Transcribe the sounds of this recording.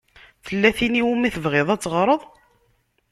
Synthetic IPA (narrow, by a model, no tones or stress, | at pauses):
θəlːæθiniwumiθəvʁeðˤæt͡sːʁɾˤəðˤ